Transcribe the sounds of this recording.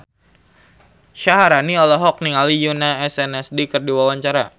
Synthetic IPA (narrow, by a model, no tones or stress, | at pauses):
ʃaɦaɾaniɔlɔɦɔk̚niŋalijunaɛsɛnɛsdikərdiwawaɲt͡ʃaɾa